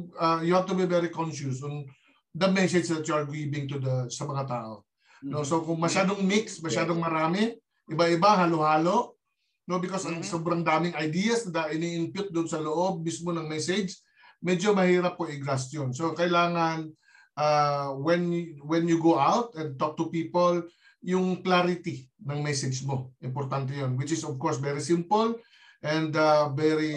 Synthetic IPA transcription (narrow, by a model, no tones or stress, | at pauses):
ajʊhav̚t̪ʊbivɛɾikɔnʃʊsɔn | d̪ɐmɛsɛd͡ʒd̪ɐt̪̚juɐɹɡɹibɪ̃ŋt̪ud̪ɐsɐmɐŋat̪a̰ːʔo̞ | nosokʊŋmɐʃaːd̪oŋmiksmɐʃaːd̪oŋmɐɾaːmɪ | ʔɪbɐʔɪbahaːlohaːlo̞ | no̞bɪkosɐŋsobɾɐŋd̪aːmɪŋɐjd̪ijɐsnɐd̪ɐʔɪniʔɪnpjʊt̪̚d̪ʊʔʊnsɐloʔo̞b̚mismonɐŋmɛsed͡ʒ | mɛd͡ʒomɐhiːɾɐp̚koʔɪɡɾast̪jonsokɐjlaːŋɐn | ʔawɛnwɛnjuɡoʔawt̪ɛ̃nt̪ok̚t̪ʊpiːpol | jʊŋklaɾɪt̪inɐŋmɛsɛd͡ʒmoʔɪmpoɾt̪ant̪̬ɛjonwɪt͡ʃɪsɔvkoɹsvɛɾisɪmpol | ʔɛnd̪avɛɾi